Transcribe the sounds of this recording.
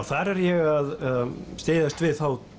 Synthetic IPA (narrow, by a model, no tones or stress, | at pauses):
wθaɾɛɾjɛɣaðst̪eːðast̪vɪðθaw